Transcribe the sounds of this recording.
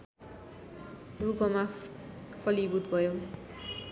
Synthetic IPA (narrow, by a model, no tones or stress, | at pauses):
rupʌma | pʰʌlibut̪bʱʌjo